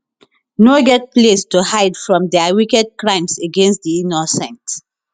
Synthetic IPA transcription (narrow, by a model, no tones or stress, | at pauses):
noɡɛt̚plestuhaɪdfɹɔ̃mdɛawikɛd̚kɹãɪ̃mseɡẽnst̚diinɔsɛ̃nt